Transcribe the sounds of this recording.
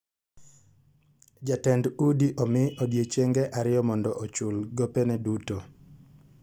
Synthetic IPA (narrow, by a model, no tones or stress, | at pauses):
d͡ʒatɛndudiʔɔmɪodjet͡ʃeŋɡɛʔaɾɪjɔmɔndɔʔot͡ʃʊlɡopɛnɛduto